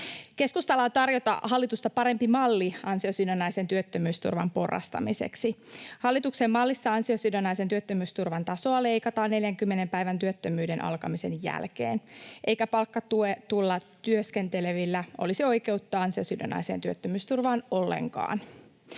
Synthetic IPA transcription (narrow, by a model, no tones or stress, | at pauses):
ke̞skust̪ɑlɑt̪ɑrjo̞t̪ɑ̰hɑlːit̪ust̪ɑpɑɾe̞mpimɑlːiɑnsio̞sidonːɑjsent̪yøt̪ːømyːst̪ṵrʋɑ̰mpo̞rːɑ̰st̪ɑ̰mise̞̰ksihɑlːit̪uksemmɑlːisːɑɑnsiosidonːɑisent̪yøt̪ːømyːst̪urʋɑnt̪ɑso̞ɑle̞jkɑt̪ɑːne̞ljæŋkymːene̞mpæiʋænt̪yøt̪ːømyːdenʔɑ̰lkɑmise̞njæ̰lkḛːnʔe̞jkæpɑlkːɑt̪uet̪ulːɑt̪yøske̞nt̪e̞leʋilːæʔolisio̞jke̞ut̪ːɑːɑnsio̞sido̰nːɑ̰jseːnt̪yøt̪ːømyːst̪urʋɑːno̞lːḛŋkɑ̰ːn